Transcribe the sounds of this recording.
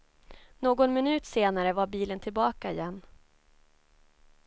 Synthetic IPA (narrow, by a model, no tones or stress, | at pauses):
noːɡɔnmɪnʉ̟ːt̪seːnaɾəvaɾbiːlənt̪ʰɪlbɑːkaɪjɛnː